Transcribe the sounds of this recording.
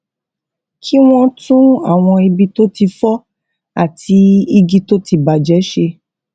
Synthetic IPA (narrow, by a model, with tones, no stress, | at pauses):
kʰi˦w̃ɔ̃˦tũ˦a̰˦˨w̃ɔ̃˧i˧bi˧to˦ti˧fɔ˦ | a˨tʰi˧i˧ɡi˧to˦ti˧ba˨d͡ʒɛ˨˦ʃe˧